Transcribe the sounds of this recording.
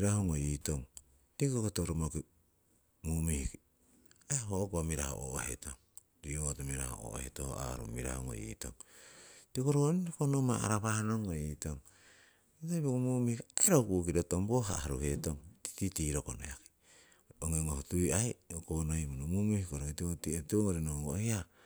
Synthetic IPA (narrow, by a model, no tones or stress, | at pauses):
ɾahoŋoitoŋ | tikkokotoɾomoki | mumihiki | ehookuamiɾa̰ho̰o̰ʔo̰hetoŋ | ɾiotomiɾa̰ho̰o̰o̰hḛtoho̰a̰ɾṵmiɾa̰hoŋo̰ḭto̰ŋ | tikoɾoniokonomaa̰ɾaβahnoŋːoitoŋ | itobokumuːmihikiaɾokuʔkiɾotomboɦaaɾuhe̞toŋti̥titiɾokono̰jaki̥ | oŋeŋohotujajokonohimunomumihikoɾoitiotietoŋoɾenoɡohia